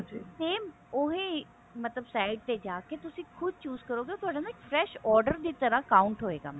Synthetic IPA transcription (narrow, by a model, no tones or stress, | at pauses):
d͡ʒiseːm | oɦẽː | mət̪ləbsaːɪɖ̚t̪ed͡ʒaːket̪ʊsĩːkʰʊd̪̚t͡ʃuːzkəɾoːɡeoːt̪ʊɦaːɖãːnaːkpʰɾɛːʃɔːɾɖəɾd̪iːt̪əɾãːkaːʊɳʈɦoːeːɡa̰ːmɛ̃